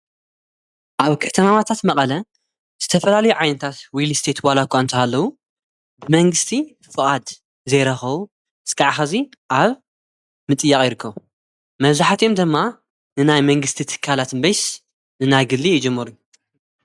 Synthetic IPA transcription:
ʔaβkʰɐt̪ʰɐmamat̪ʰat̪mɐqʼɐlɐ | z̥ɨt̪ʰɐfɐlalɐjuʕajnɐt̪ʰat̪wilist̪ʰet̪walakʰʷːaɨnt̪ʰɐhalːɐwu | bɨmɐŋɡɨst̪ʰi | fɨχʼad̪ | zɐjɾɐxɐβu | ɨskʰʼaʕxaziʔaβ | mɨt̪ʼɨjːɐχʼjɪɾɨkʰːɐβu | mɐβzaħat̪jo̞md̪ɨmːa | nɨnajmɐŋɡɨst̪ʰit̪ʰɨ̥kʰːalat̪nbɐjs | nɨnajɡɨlːijɪd͡ʒɨmːɐɾu

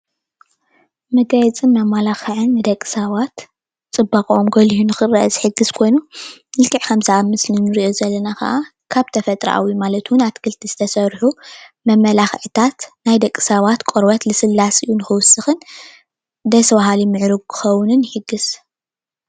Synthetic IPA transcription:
mɐɡɐt͡sʼɨnːamalaxɨʕɨnːɨd̪ɐkʼːɨ̥saβat̪ | t͡sʼɨbːakʼʔomɡɐlihunɨxɨrɐʔɐzɨħɨɡɨz̥kʰo̞jnuɨlkʰɨʕkʰɐmzɨʔamːɨslɨnɨɾiʔo̞zɐlːɐnakɐ̰ʔakʰaβt̪ʰɐfɐt̪ʼɾ̰ʔa̰wimalɐt̪wʊnat̪kʰɨlt̪ʰiz̥ɨt̪ʰɐsɐɾħumɐmɐlaxʕɨt̪ʰat̪najd̪ɐkʼːsaβat̪kʼoɾbɐt̪lɨsɨlːasɨ̰junɨxɨwʊsːɨxɨn | d̪ɐswaɦalimɨʕɾɨɡkʰɨ̥xɐwʊnɨnħɨɡːɨz

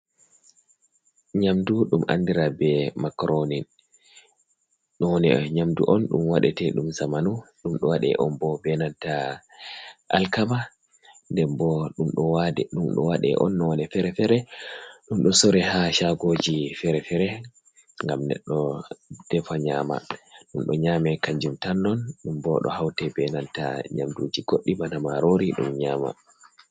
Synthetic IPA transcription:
ɲamduɗumʔa̰ndiɾabɛmakɾonin | ɗɔnɛ̰ɲamdṵʔɔnɗṵmwaɗɛtɛɗumsamanuɗumɗɔwaɗɛ̰ʔɔmbɔbɛnanta | ʔalkama | ndɛmbɔɗumɗɔwadɛɗumɗɔ̰waɗɛ̰ʔɔ̰nːɔnɛfɛɾɛfɛɾɛɗumɗɔsɔɾɛhaʃaɡod͡ʒifɛɾɛfɛɾɛ | ŋɡamnɛ̰ɗːɔd̥ɛfaɲaːma̰ɗumɗɔɲamɛkaɲd͡ʒumtanːɔnɗumbɔɗɔ̰hawtɛbɛnanta̰ɲa̰mdud͡ʒiɡoɗːibanamaɾoɾiɗṵmɲaːma̰

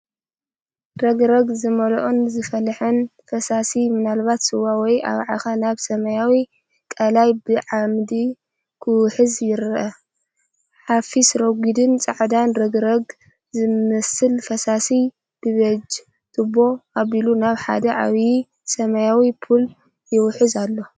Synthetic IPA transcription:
ɾɐɡɾɐɡzɨmɐlʔonzɨfɐlħɨnfɐsasimɨnalβat̪sɨwawɔja̰βʕa̰xanaβsɐmɐjawi | kʼɐlajbɨʕamd̪i | kʰɨwħɨzjɪɾʔɐ | ħafisɾoɡʷid̪ɨnt͡sʼɐʕd̪anɾɐɡɾɐɡ | zɨmɐsɨlfɐsasi | b̥ɨβɐd͡ʒ | t̪ʰɨbo̞aβilunaβħa̰d̪ɐʕa̰βji | sɐmɐjawipʰul | jɪwħɨzalːo̞

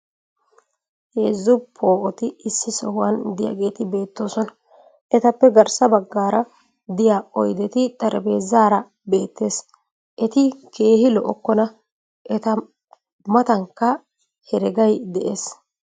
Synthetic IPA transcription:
heːzːʊpʰːo̞ːʔɔt̪ɪːsːɪsɔhʊwɐnd̪ɪjɐ̰ɡe̞ːt̪ɪbe̞ːt̪ːo̞ːsɔnɐ | ʔɛt̪ɐpːɛɡɐɾsɐbɐɡːaːɾɐ | d̪ɪjaːɔjd̪ɛt̪ɪt̪ʼɐɾbe̞ːzaːɾɐ | be̞ːt̪ːe̞ːs | ʔɛt̪ɪke̞ːhɪlɔʔɔkːɔnɐ | ʔɛt̪ɐ | mɐt̪ɐŋkːɐ | hɛɾɛɡɐjd̪ɛʔe̞ːs

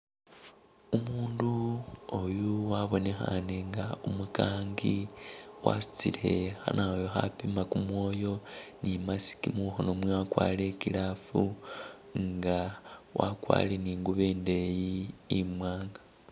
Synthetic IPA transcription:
umuːnduojuwaβo̞ne̞xaneŋɡaumukaːŋɡiwa̰su̥t͡sile̞xa̰naojoxapimakumwo̞ːjo̞nimasi̥kimuxonomwewakwaːlekilafu | ŋɡa | wʔakwa̰ːleniːŋɡuβeːnde̞jiːmwaːŋɡḁ

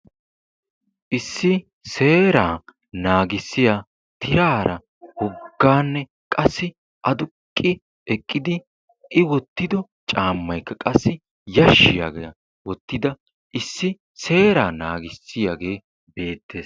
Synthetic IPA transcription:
ʔɪsːɪ | se̞ːɾaː | naːɡɪsːɪjaː | t̪ʰɪɾaːɾɐ | hɔɡːaːnːɛ | kʼɐsːɪ | ʔɐd̪ʊkʼːɪ | ɛkʼːɪd̪ɪ | ʔɪwɔt̪ːɪd̪ɔ | t͡ʃʼaːmːɐjkːɐkʼɐsːɪ | jɐʃːɪja̰ːɡḛɐ | wɔt̪ːɪd̪ɐ | ʔɪsːɪ | se̞ːɾaːnaːɡɪsːɪjaːɡe̞ː | be̞ːt̪ːe̞ːs

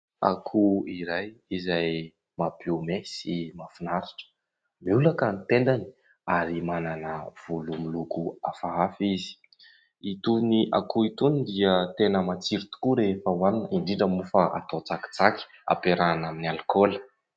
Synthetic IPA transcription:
a̰kʰuiɾajizaj | mapeumesimafinaɾiʈ͡ʂə̥ | beulakənit̪end̪ani̥ | aɾimananəv̥ulumilukuafaafizi̥ | it̪uniʔa̰kuit̪unid̪iət̪enəmat͡siɾit̪u̥kuɾefəwaninəiɳɖ͡ʐiɳɖ͡ʐəmufaʔa̰t̪ot͡saki̥t͡saki̥ | a̰peɾanaminialkolə̥

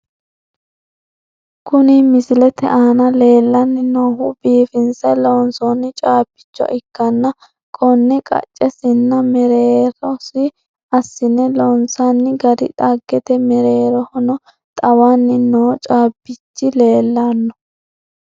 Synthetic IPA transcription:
kʊnɪmɪsɪlɛt̪ɛ̰ʔaːnɐle̞ːlːɐnːɪnoːɦʊbiːfɪnsɐloːnsɔnːɪt͡ʃʼaːbːɪ̥t͡ʃːɔ̰ʔɪkːɐnːɐ | kʼɔnːɪkʼɐ̰t͡ʃʼːɛsɪnːɐmɛɾeːɾɔsɪ | ɐsːɪnɛlɔːnsɐnːɪɡɐdɪ̰t̪ʼɐɡːɛt̪ɛmɛɾeːɾɔhɔnɔ | t̪ʼɐwanːɪnoːt͡ʃʼaːbːɪt͡ʃːɪle̞ːlːanːɔ̥

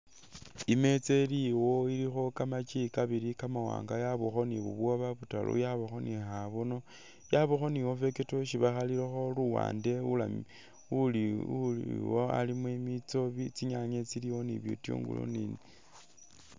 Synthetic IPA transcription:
ime̞t͡seliwo̞iɾixo̞kamat͡ʃikaβiɾikamawa̰ːŋɡajaβuxo̞niβṵβwoβaβuta̰lṵjaβaxo̞nixaβono | jaβoxo̞niwofe̞ketoʃiβaxaliɾexo̞luwa̰ːnde̞ulami | uliuiwoa̰limwemit͡so̞βit͡siɲaɲet͡siliwoniβjo̰tjṵːŋɡṵlo̰nine

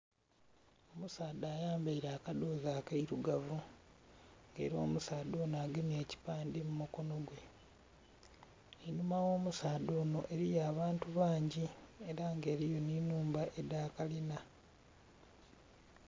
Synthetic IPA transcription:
o̞musaːdaːjaːmbaiɾaːkadoːzaːkaiɾuɡavu | ŋɡḛːɾio̞ːmusaːdoːnaːɡeme̞ːci̥paːndimumuko̞no̞ɡwe̞ | inumawo̞ːmusaːd̪oːno̞ʔe̞ɾijaːβaːntuβaːɲɟieɾaŋɡe̞ːɾijo̞ninuːmbaʔe̞daːkalina

